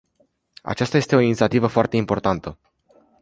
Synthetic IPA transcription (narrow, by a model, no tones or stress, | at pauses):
a̰t͡ʃast̪aje̞st̪e̞o̞init̪siat̪ivəfoart̪e̞impo̞rt̪ant̪ə